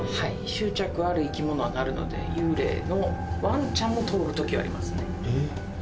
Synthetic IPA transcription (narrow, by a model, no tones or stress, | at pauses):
haiɕɨːt͡ɕakɯ̟aɾɯ̟ikʲimo̞no̞βanaɾɯ̟no̞̰d̪e̞̰jɯːɾe̞̰ːno̞βãɲt͡ɕãmːo̞t̪ʰoɾɡɯ̟t̪o̞kʲiβa̰ɾʲḭmasɨne̞